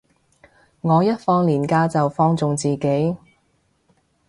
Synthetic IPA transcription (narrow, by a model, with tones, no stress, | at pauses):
ŋɔː˨˧jɐ˥t̚fɔː˧ŋliː˨˩nkaː˧t͡sɐ˨wfɔː˧ŋt͡sʊ˨ŋt͡siː˨˩ke˨˥j